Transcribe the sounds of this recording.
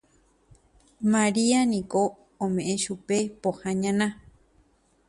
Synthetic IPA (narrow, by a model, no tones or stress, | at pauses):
maɾianĩko | õmẽʔẽʃupepohãɲãnã